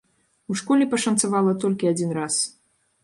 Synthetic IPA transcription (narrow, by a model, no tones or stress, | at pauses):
uʂkɔlʲipɐʂɐnt̪savalˠɐt̪ɔlʲkʲiad͡zʲinɾas